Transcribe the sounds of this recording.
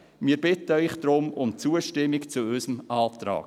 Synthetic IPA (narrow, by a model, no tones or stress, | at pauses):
miːəɾb̥ɪtəœʏχd̥̪ɾʊmʊmt͡suːəʃtɪmːɪkt͡suysəmʔɑːt̪ɾɑ̰ːk